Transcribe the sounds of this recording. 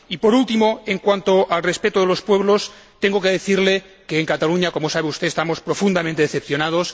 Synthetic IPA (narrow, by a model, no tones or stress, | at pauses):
ipo̞ɾult̪imoeŋkwant̪oʔalrespet̪oðelo̞spwe̞βlo̞st̪e̞ŋɡo̞keðeθiɾle | keːŋkat̪aluɲako̞mosaβ̞eust̪eːst̪amo̞spɾofund̪amẽnt̪eeθepθjonað̞os